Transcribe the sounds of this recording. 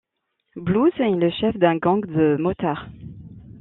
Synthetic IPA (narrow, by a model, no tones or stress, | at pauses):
bluzɛləʃɛfd̪ɛ̃ɡɑ̃kd̪əmɔt̪aʁ